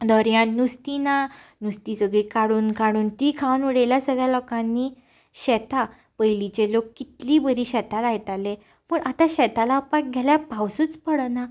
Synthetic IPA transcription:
d̪ʱɔɾjãnnust̪inanust̪isəɡikaɽuːnkaɽuːnt̪ikʰawnuɽeljasəɡɭjalɔkãnːi | ɕɛt̪a | pəjlit͡ɕelokːit̪libəɾiɕɛt̪alajɛt̪ale | pəɳʔat̪aɕɛt̪alapak̚ɡʱɛljapawsuːt͡spəɽəna

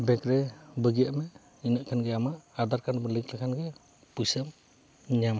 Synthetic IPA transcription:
bɛkɾɛbəɡijaʔmɛ | inaʔkʰanɡɛamaʔad̪aɾkanbɯliŋklakʰanɡɛ | pusəm | ɲam

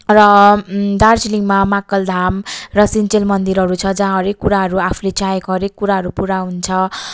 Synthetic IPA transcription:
rʌd̪art͡siliŋmamakʌld̪ʱamrʌsint͡selmʌnd̪iɾɦʌɾut͡sʰʌd͡zaɦãɦʌɾekːuɾaɦʌɾuapʰulet͡saekoɦʌɾekːuɾaɦʌɾupuɾaɦunt͡sʰʌ

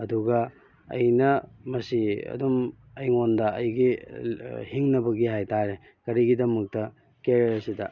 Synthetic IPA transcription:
ɐduɡɐ | ɐ̰jnɐmɐsiɐ̰dum | ɐjŋondɐɐjɡi | hiŋnɐbɐɡihajtaɾe | kɐɾiɡidɐmɐk̚tɐ | keɾsidɐ

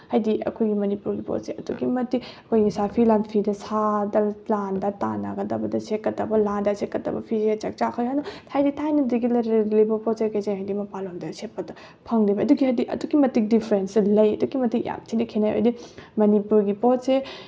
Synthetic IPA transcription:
hɐjdiɐ̰kʰojɡimɐnipuɾɡipo̰tseɐduɡimɐtiɐkʰojɡisapʰilanpʰidɐsadɐlandɐta̰na̰ɡɐdɐbɐdɐsekːɐtɐbɐlandɐsekːɐtɐ̰bɐ̰pʰizet͡ʃɐk̚t͡ʃakʰɐjɦajnɐtʰajditʰajnɐdiɡilɐɾlibɐpɔsekɐjzeŋɦajdimɐpalomdɐset̚pːɐdɐ | pʰɐŋlibɐɐduɡihɐjdiʔɐ̰dukimɐtik̚dipʰɾensɐlɐjɐ̰dukːimɐtikja̰mtʰinɐkʰenajo̰jdimɐnipuɾɡipot̚se

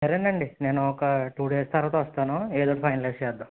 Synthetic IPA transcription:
sɐɾenɖɐɳɖineːnuɔkɐʈuːɖeːst̪ʰɐɾɐt̪oːʋɐst̪aːnueːd̪oːʈɐpʰɐjnɐlesɛːd̪ːu

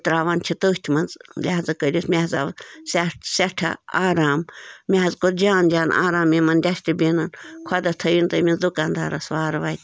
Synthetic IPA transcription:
t̪ɾaːʋant͡ʃʰit̪əːst̪ʰʲmɐnzlʲaɦzɐkəɾʲismʲeɦza̰ʋsasɐʈʰɐ̰aːɾaːmmʲeɦɐzkoɾd͡ʒaːnd͡ʒaːna̰ːɾaːmːimɐnd̪ʲasʈibiːnɐnkʰɐd̪ɐt̪ʰɐjint̪ɐmʲinzd̪ukaːnd̪a̰ːɾɐsʋaːɾʋaːjt̪ʲ

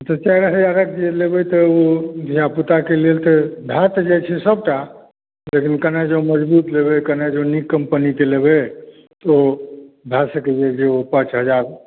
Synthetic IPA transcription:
t̪ət͡ʃɛɾəɦəd͡ʒaɾəkd͡ʒelebɛt̪əod̪ʱijaput̪akelelt̪əbʱjat̪d͡ʒet͡ʃʰɛsəb̚ʈa | lekinkənad͡ʒeõməd͡ʒbut̪leβɛkəned͡ʒeõnikːəmpənit̪eleβe | t̪o | bʱjasəked͡ʒed͡ʒeopãt͡ʃɦəd͡ʒaɾ

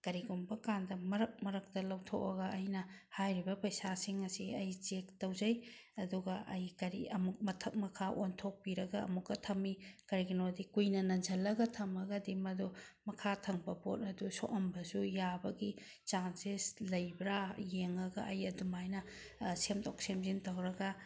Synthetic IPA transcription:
kɐɾiɡumbɐkandɐmɐɾɐk̚mɐɾɐk̚tɐlɐwtʰo̰kɐɡɐːjnɐhajɾibɐpɐjsasiŋɐsiɐjt͡ʃek̚tɐwzɐj | ɐduɡɐʔɐ̰jkɐɾḭɐ̰muk̚mɐtʰɐk̚mɐkʰaʔontʰok̚piɾɐɡɐ̰ːmukːɐtʰɐmikɐɾiɡinodikujnɐnɐnd͡ʒɐlːɐɡɐtʰɐmɐɡɐdimɐdumɐkʰatʰɐŋbɐpot̚ɐduso̰ʔɐmbɐsujabɐɡi | t͡ʃansislɐjbɾajeŋɐɡɐʔɐjɐdumajnɐ | semtʰok̚semzintɐwɾɐɡɐ

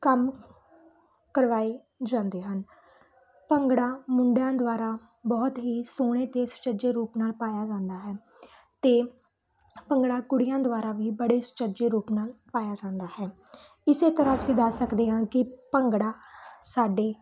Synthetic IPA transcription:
kəm | kəɾʋaːiː | d͡ʒãːnd̪eːɦən | pəŋɡɽãːmʊɳɖjãːd̪ʊʋaːɾaː | bɔːt̪ɦiːsoːɽ̃eːt̪eːsʊ̥t͡ʃəd͡ʒeːɾuːpnaːlpaːjaːd͡ʒãːnd̪aːɦɛː | t̪eː | pəŋɡɽaːkʊɽɪjãːd̪ʊaːɾaːʋiːbəɽeːsʊ̥t͡ʃəd͡ʒeːɾuːpnaːlpaːjaːd͡ʒãːnd̪aːɦɛː | ɪseːt̪əɾãːsĩːd̪əsəkd̪eːɦãːkɪpəŋɡɽaːsaːɖeː

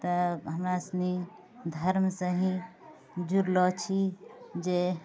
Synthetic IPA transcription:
t̪əɦəmɾasni | d̪ʱəɾmsə̃ɦĩ | d͡ʒuɾlɔt͡ʃʰid͡ʒe

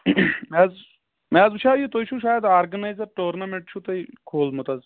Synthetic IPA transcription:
mɛːz | maːzuʃaːjut̪oit͡ʃʰuʃaːjəd̪aːɾɡɐnajzɐɾʈoːɾnɐmeɳʈ̚t͡ʃʰut̪ɐikʰoːlmut̪ɐz

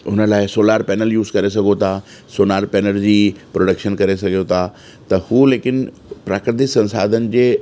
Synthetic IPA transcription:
ʊnə̆laːɪsoːlaːɾpɛːnəljuːzkɐɾes̬ɐɡʱot̪ʰa | soːnaːɾpɛːnəld͡ʑiːpɾoːɖəkʃənkɐɾesɐɡʱijot̪ʰa | t̪ɐhuːleːkɪn | pɾaːkɾɪt̪ɪksɐ̃nsa̰ːd̪ʱənɪ̆d͡ʑeː

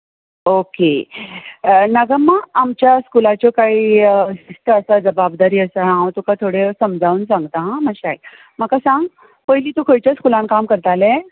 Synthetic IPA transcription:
oke | nəɡəmːaːmt͡ɕjaskulat͡ɕjɔkaiːist̪əəsad͡zəbabd̪aɾiːəsəɦãt̪ukat̪ʰoɽesəmd͡zʱauːnsãŋɡt̪aɦãməɕae | məkasãŋɡ | pəɦliːt̪ukʰəjt͡ɕjaskulãnkamkəɾt̪alɛ

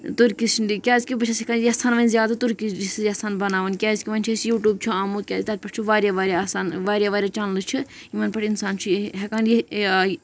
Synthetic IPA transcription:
t̪uɾkʲist͡ʃʰndikʲaːzkʲibɐt͡ʃʰɐsekaːnjɐsaːnʋɐnʲzjaːd̪at̪uɾkiisɨzasaːnbɐnaːʋɐnkʲaːzkʲiʋɐnʲt͡ʃʰɐsjuːʈʲuːb̚t͡ʃʰuaːmuːt̪̚kʲaːzit̪aːt̪̚ʲpɐʈʰt͡ʃʰuʋaːɾʲjaːʋaːɾʲjasaːnʋaːɾʲjaʋaːɾʲjaːt͡ʃaːnlɨt͡ʃʰɨ | iʋɐnpɐʈʰinsaːnt͡ʃʰuɦɛkaːnje

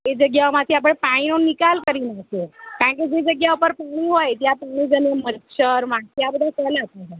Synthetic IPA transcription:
ed͡ʑəɡjaʋmat̪ʰiːap̬əɳpãĩnonikalkəɾinat̪ekaɽɳk̬id͡ʑed͡zəɡjaupəɾpuɳ̃iɦojt̪japuɳ̃id͡zənemətɕəɾʋãkjabəd̪ʱat͡səlat̪at̪a

